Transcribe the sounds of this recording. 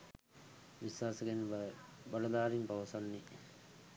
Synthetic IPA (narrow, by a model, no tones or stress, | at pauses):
ʋisaːsəkenbɐlɐd̪aːɾimpaʋɐsanːi